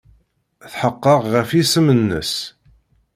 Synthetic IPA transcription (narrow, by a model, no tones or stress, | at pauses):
θħəqːəʁʁəfisəmənːə̰s